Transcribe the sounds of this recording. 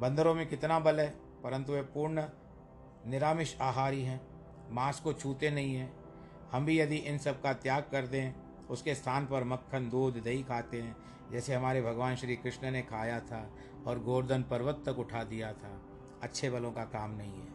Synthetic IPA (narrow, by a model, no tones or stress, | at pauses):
bɐ̃nd̪əɾõmẽkɪt̪nabɐlɛː | pɐɾə̃nt̪̬uepuːɾɳ | nɪɾaːmɪʃaːɦaːɾiɦɛ̃ː | maːskot͡ʃʰuːt̪enɐɦĩɦɛ̃ː | hɐmbʱijɐd̪iʔɪnsɐb̚kat̪jaːɡ̚kɐɾt̪ẽɦɛ̃ | ʊskest̪ʰaːnpɐɾmɐkʰːənd̪uːd̪ʱd̪ɐikʰaːt̪eɦɛ̃ː | d͡ʒɛːseɦɐmaːɾebʱɐɡʋaːnʃɾiːkɾɪʃnənekʰaːjat̪ʰa | ɔːɾɡoːɾd̪ənpɐɾʋət̪ːəkʊʈʰad̪ijat̪ʰaː | ɐtːʃʰebɐlõkakaːmnɐɦĩɦɛː